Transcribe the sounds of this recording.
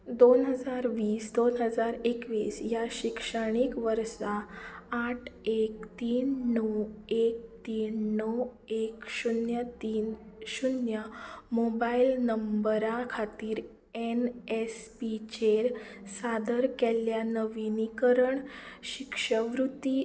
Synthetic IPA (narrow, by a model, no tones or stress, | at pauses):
d̪onɦəd͡zaɾʋiːsd̪onɦəd͡zaɾekʋiːsjaɕikʂəɽ̃ikʋəɾsaː | ʈʰek̚t̪iːnːɔwek̚t̪iːnːəw | ekɕunjət̪iːnɕunjəmobailnəmbəɾakʰat̪iːɾ | enespit͡ɕeɾsad̪əɾkɛljanəʋinikəɾəɳɕikʂəʋɾut̪i